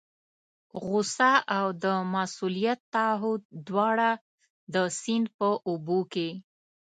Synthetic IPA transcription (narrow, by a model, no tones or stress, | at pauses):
ɣʊsaʔawd̪əmasulijat̪ːɑɦʊd̪̚ːwɑɽa | d̪əsinpəʔoboke